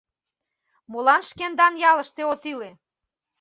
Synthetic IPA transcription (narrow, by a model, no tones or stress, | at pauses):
molɑnʃkend̪ɑnjɑlə̆ʃt̪eot̪ile